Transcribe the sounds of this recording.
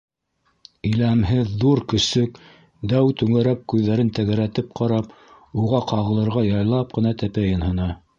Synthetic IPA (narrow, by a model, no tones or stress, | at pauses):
ɵ̆læmɦɘðːuɾkɵ̆sɵk | d̪æwt̪ʉŋæɾæp̚kʉðːæɾɘnt̪æɣæɾæt̪ɘp̚qɑɾɑp | uʁɑqɑʁɤ̆lˠɤ̆ɾʁɑjɑjlˠɑp̚qɤ̆nɑt̪æpæjɤ̆nhɤ̆nɑ